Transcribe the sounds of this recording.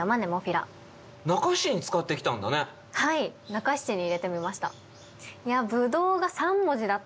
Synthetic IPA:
amane̞moɸʲiɾa̰ | nakaɕiɲ̟it͡sɨ̥kat̪ːe̞kʲi̥t̪ãnd̪a̰ne̞ | hainakaɕi̥t͡ɕiɲ̟iːɾe̞t̪e̞mʲimaɕi̥t̪a̰ | jabɯ̟d̪o̞ːɡasãmːo̞ʑid̪at̪ː

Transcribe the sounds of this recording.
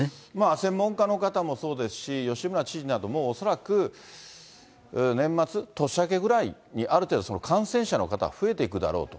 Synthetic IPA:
maːsẽ̞mːõ̞ŋkano̞kat̪amo̞so̞ːd̪e̞sɨ̥ɕijo̞ɕibɯnat͡ɕiʑinad̪o̞moːso̞ɾakɯ̟ | nẽ̞mːat͡sɨt̪o̞ɕake̞ɡɯ̟ɾai | ɲ̟iʔaɾɯt̪e̞ːd̪o̞sono̞kʰãɰ̃sẽ̞ɰ̃ɕano̞̰kat̪a̰ɸɯ̟e̞t̪e̞ikɯ̟d̪a̰ɾo̞̰ːt̪o

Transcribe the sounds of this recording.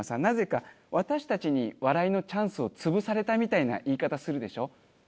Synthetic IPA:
sãnnaze̞ka | βat̪aɕi̥t̪at͡ɕiɲ̟iβaɾaino̞t͡ɕãɰ̃sɨo̞t͡sɨbɯ̟saɾe̞t̪amʲit̪aina̰ʔiːkat̪asɨɾɯ̟d̪e̞ɕo̞ː

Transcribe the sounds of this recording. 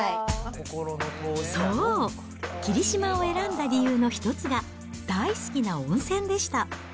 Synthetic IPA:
kokoɾonoosoː | kʲiɾʲiɕimao̞e̞ɾãnd̪aɾʲijɯːno̞çi̥t̪o̞t͡sɨɡa | d̪̥aisɨ̥kʲinaõ̞ɰ̃sẽ̞nd̪e̞ɕi̥t̪a

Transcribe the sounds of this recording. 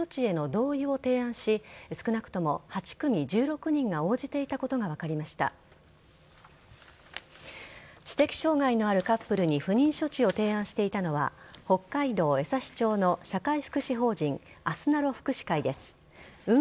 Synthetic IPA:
o̞t͡ɕie̞no̞d̪o̞ːio̞t̪e̞ːãɰ̃ɕisɨ̥kɯ̟nakɯ̟̥t̪o̞mo̞hat͡ɕi̥kɯ̟mʲid͡ʑɨːɾo̞kɯ̟ɲ̟ĩŋɡao̞ːd͡ʑit̪e̞it̪ako̞t̪o̞ɡaβ̞akaɾʲimaɕi̥t̪a̰ | t͡ɕi̥t̪e̞kʲi̥ɕo̞ːŋaino̞aɾɯ̟kapːɯ̟ɾɯ̟ɲ̟iɸɯ̟ɲ̟ĩɰ̃ɕo̞t͡ɕio̞t̪e̞ːãɕi̥t̪e̞it̪ano̞βa̰ho̞kːaid̪o̞ːe̞saɕi̥t͡ɕo̞ːno̞ɕakaiɸɯ̟̥kɯ̟ɕiɦo̞ːd͡ʑĩŋ | asɨnaɾo̞ɸɯ̟̥kɯ̟ɕi̥kaid̪e̞sɨ̥ | ɯ̟

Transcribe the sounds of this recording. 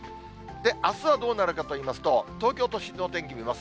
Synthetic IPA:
d̪e̞ʔasɨβad̪o̞ːnaɾɯ̟kat̪o̞iːmasɨ̥t̪o̞t̪o̞ːkʲo̞ːt̪o̞ɕino̞t̪ẽ̞ŋkʲimʲimasɨ̥

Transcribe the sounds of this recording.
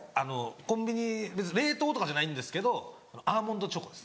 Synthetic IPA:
ano̞kõ̞mbʲiɲ̟ibe̞t͡sɨɲiɾe̞ːt̪o̞ːt̪o̞kad͡ʑanaĩnd̪e̞sɨ̥ke̞d̪o̞ | anoʔaːmõ̞nd̪o̞t͡ɕokod̪e̞sɨ̥

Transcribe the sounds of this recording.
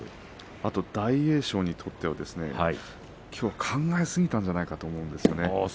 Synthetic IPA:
at̪o̞d̪̥aie̞ːɕo̞ːɲ̟it̪ʰo̞t̪ːe̞β̞ad̪e̞sɨne̞̰hai | kʲʰo̞ːβakʰãŋɡaesɨɡʲit̪ãɲ̟d͡ʑanaikat̪o̞ːmo̞ɯ̃nd̪e̞sɨjone

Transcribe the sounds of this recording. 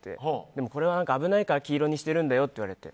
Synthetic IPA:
t̪e̞̰hod̪e̞mo̞ko̞ɾe̞βanãŋkaːbɯ̟naikaɾakʲiːɾo̞ɲ̟iɕi̥t̪e̞ɾɯ̟̃nd̪ajo̞t̪ːeiβaɾet̪e̞̰

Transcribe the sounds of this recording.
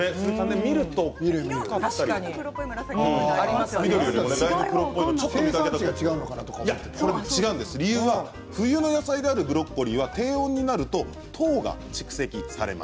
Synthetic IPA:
et̪ãnd̪emʲiɾɯ̟t̪o̞miɾɯikaaɾi | aimasmid̪oɾijoɾned̪aibɯpɯ̟ɾokːoĩt̪ot͡ɕot̪ːoikaket̪at͡ɕiɡat͡ɕiɡaɯnokanat̪okajat̪ːesoɾet͡ɕiɡaɯ̟̃nd̪e̞sɨɾʲiɯːβa | ɸɯ̟jɯːno̞jasaid̪e̞aɾɯ̟bɯ̟ɾo̞kːo̞ɾʲiːβat̪e̞ːõ̞ɲ̟ːinaɾɯ̟t̪o̞ | t̪ʰo̞ːɡa̰t͡ɕi̥kɯ̟̥se̞kʲisa̰ɾe̞̰ma̰s

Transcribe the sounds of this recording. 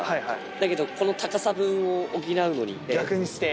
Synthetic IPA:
haihai | d̪ake̞d̪o̞ko̞no̞t̪akasabɯ̟̃ɰ̃o̞ːɡʲinaɯ̟no̞̰ɲ̟ḭɡʲakɯ̟ɲ̟isi̥t̪e

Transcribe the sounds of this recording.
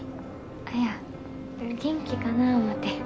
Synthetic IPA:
aja | ɡʲẽ̞ŋkʲikanaɯmat̪ːe

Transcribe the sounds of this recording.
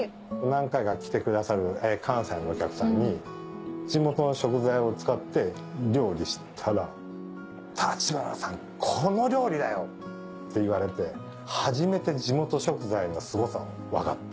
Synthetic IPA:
nãŋkaiɡakʲi̥t̪e̞kɯd̪asaɾɯ̟ekʰãɰ̃sainookʲakɯ̟sãɲ̟ːi | d͡ʑimo̞t̪o̞no̞ɕo̞kɯ̟zaio̞t͡sɨ̥kat̪ːe̞ | ɾʲo̞ːɾʲiɕi̥t̪ʰaɾa | t̪ʰat͡ɕibaɾa̰sãŋ | kʰono̞ɾʲo̞ːɾʲid̪ajo̞ | t̪ʰːe̞iβaɾe̞t̪e̞ | haʑime̞t̪e̞d͡ʑimo̞t̪o̞ɕo̞kɯ̟zaiɲiasɨɡo̞sa̰ | βa̰ka̰t̪ː

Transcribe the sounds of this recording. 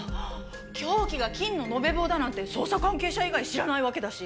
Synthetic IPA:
kʲʰo̞ːkʲiɡakʲĩnːo̞no̞be̞bo̞ːd̪anãnt̪e̞so̞ːsakãŋke̞ːɕaiɡaiɕiɾanaiβake̞d̪aɕi

